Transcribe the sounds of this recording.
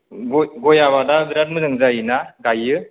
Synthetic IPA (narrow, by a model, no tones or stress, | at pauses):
ɡɔɡɔjaβadabiɾat̚mɯnɯŋzainaɡajɯ